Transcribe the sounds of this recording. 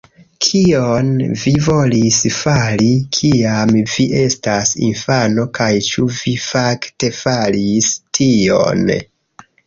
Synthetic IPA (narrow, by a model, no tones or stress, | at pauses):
kʰionvivo̞lisfalikʰiamviʔe̞stasḭnfano̞kajt͡ʃuvifakte̞falistʰio̞̰n